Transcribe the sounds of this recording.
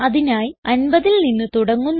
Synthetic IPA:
ɐðinaːjiɐnbɐðilninːɨt̪uɽɐŋːunː

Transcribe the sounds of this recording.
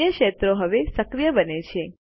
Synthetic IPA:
jəkʃet̪ɾoɦəʋesəkɾijəbənet͡ʃʰe

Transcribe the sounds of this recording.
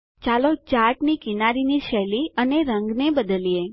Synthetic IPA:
t͡ʃalot͡ʃaʈnikinaɾiniʃɛliəneɾəŋɡnebəd̪əlije

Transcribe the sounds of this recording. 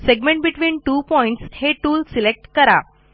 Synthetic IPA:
seɡmẽɳʈ̚biʈʋiːnʈuːpɔiɳʈsheʈuːlsilek̚ʈkəɾa̰

